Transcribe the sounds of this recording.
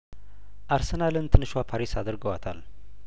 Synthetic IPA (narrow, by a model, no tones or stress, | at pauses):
ʔaɾsənalɨnt̪ʰɨnɨʃwapʰaɾisad̪əɾɡəwat̪ʰal